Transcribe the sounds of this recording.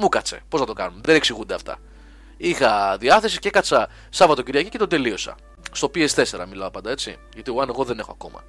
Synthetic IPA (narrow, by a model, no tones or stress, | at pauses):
mukɐt͡se̞̰posnɐt̪o̞kɐnunðeneksiɣund̪eɐft̪ɐ̰ | ixɐðiɐθe̞si̥cekɐt͡sɐ | sɐvɐt̪o̞ciɾʝɐcicet̪ond̪e̞lio̞sɐ̰ | st̪o̞pie̞st̪e̞se̞ɾɐ̰milɐopɐnd̪ɐe̞t͡sḭ | ʝɐt̪ioɐne̞ɣo̞ðene̞xo̞ɐko̞̰mɐ̰